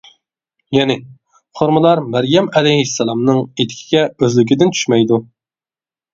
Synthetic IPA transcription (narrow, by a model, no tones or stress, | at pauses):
jɛnɪ | χoɾmɨlˠɑɾmæɾjɛmɛlɛjɦisːɛlˠɑmnɨŋet̪ʰɪ̥kʲʰi̥ɡʲɛøzlɪk̬ʲɪd̪ɪnt͡ʃʰy̥ʃmɛjd̪u